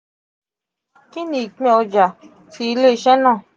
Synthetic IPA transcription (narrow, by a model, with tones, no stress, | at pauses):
ki˦nĩ˨k͡pɛ̃˧˦o˧d͡ʒa˨ | ti˧˦˧le˦˨ʃɛ˦nã˦˨